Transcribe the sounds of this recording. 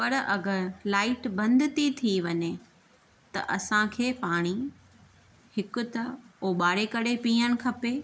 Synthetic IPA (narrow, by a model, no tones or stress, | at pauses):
pɐɾɐɡəɾlaːɪʈbɐ̃nd̪ʱɪt̪it̪ʰiʋɐɲe | t̪ɐ̰ʔɐsãkʰeːpaːɽ̃i | hɪkʊ̆t̪ɐoːɓaːɾekɐɽepiːəɽ̃̆kʰɐpeː